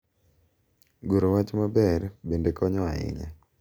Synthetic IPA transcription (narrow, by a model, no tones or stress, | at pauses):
ɡoɾowat͡ʃmabɛɾbendekʰɔɲɔaɪ̰ɲa̰